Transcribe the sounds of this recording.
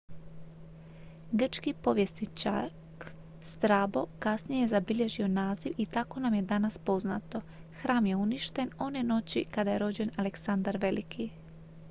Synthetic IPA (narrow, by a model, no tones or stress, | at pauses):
ɡr̩t͡ʃkipo̞ʋjesnit͡ʃa̰ | k | st̪ɾaːbo̞kasnijejezabiʎe̞ʒio̞naːziʋit̪ako̞namje̞d̪anaspo̞zna̰t̪o̞ | xɾaːmje̞uniʃt̪e̞no̞ne̞no̞t͡ɕikad̪aje̞ɾo̞d͡ʑe̞naleksand̪aɾʋe̞likʰi